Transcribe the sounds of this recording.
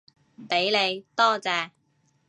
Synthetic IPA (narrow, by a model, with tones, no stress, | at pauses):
pe˨˥jle˨˧jt̪ɔː˥t͡sɛː˧